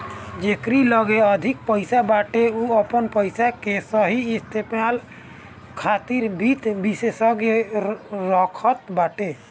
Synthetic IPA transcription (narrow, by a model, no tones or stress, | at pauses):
d͡ʒekɾiləɡeəd̪ʱik̚pəɪsabaʈeuəpənpəɪsakesəɦiːst̪ʰepmal | kʰat̪iɾbit̪bisesəɡe | ɾəkʰət̪baʈe